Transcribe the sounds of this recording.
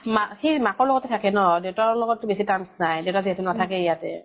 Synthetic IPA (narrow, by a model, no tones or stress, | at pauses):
maxejmakɔɹlɔɡɔtɛtʰakɛnɔdewtaɹlɔɡɔtːʊbesitansnajdewtaziɦɛtunatʰakɛijatɛ